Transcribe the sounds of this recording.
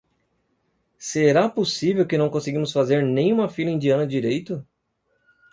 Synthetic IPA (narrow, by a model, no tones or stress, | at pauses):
seɾaposivewkɪnɐ̃w̃kõseɡĩmʊsfazeɾnẽj̃ũmɐfilɐĩnd͡ʒiɐ̃nɐd͡ʒiɾejt̪ʊ